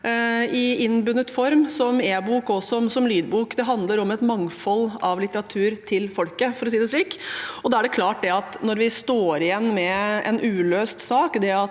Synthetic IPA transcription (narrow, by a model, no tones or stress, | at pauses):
ɪɪnbʉnːət̪fɔɾmsɔmeːbuːkɔsɔmsɔmlyːd̪buːkd̪ɛɦɑnd̪ləɾɔmɛt̪mɑŋfɔlːɑʋlɪt̪əɾɑt̪ʰʉːɾt̪ʰɪlfɔlkəfɔɾɔsiːd̪əsɭiːkɔd̪ɑːæɖɛkʰlɑːʈ̚d̪ɛɑt̪nɔɾʋɪst̪oːɾɪjɛnːmɛɛ̰nʔʉːløːst̪sɑːkd̪ɛɑ